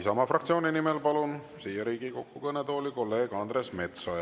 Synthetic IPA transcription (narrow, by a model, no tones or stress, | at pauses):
sɑmɑfrɑk̚t̪sio̞ːnʲinimelpɑlun | sijɑɾiːɡiko̞kːukɤnet̪o̞ːlʲiko̞lːe̞ːɡ̥ɑnd̪ɾesme̞t̪sojɑ